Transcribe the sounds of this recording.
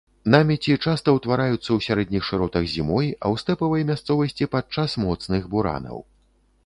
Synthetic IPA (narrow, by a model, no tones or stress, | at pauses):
namʲɛt͡sʲit͡ʂast̪ɐwt̪vaɾajut̪sːɐwsʲaɾɛd̪̚ʲnʲixʂɨɾɔt̪ɐɣzʲimɔjɐ̰wst̪ɛpɐvɐjɐmʲast̪sɔvɐsʲt͡sʲipat͡ʂasmɔt̪snɨɣbuɾa̰nɐ̰w